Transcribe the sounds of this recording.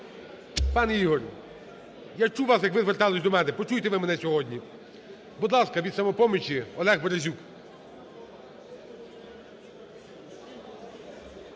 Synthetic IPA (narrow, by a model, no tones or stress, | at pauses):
pɑneiɦɔr | jat͡ʃuʋɑsjɐkʋɪzʋert̪ɑlˠɪsʲd̪ɔmɛnɪpɔt͡ʃujt̪ɛʋɪmɛnɛsʲɔɦɔdʲnʲi | buɔd̪lˠɑskɐʋʲid̪sɐmɔpɔmʲit͡ʃʲiɔlˠɛɣbɔɾɐzʲuk